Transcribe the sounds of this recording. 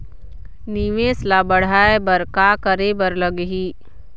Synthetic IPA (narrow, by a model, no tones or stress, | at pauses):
niʋeːslabəɽ̤aːebəɾkaːkəɾebəɾləɡɦiː